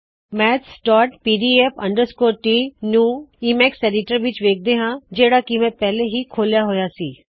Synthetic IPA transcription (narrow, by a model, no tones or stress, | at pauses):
mɛːt̪sʈɔːʈ̚piːɖiːeːpʰə̰̃ɳɖəɾskoːʈiːnuːiːmɛːkseːɖɪʈəɾʋɪt͡ʃʋeːk̚ʰd̪eːɦãːd͡ʒeːɽaːkimɛ̃ːpɛːleɦiːkʰoːljaːɦojaːsiː